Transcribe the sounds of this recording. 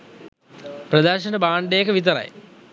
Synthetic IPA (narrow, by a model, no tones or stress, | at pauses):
prɐd̪aːɕɐnəbaːɳɖeːkːəʋit̪̬ɐɾɐ̰j̰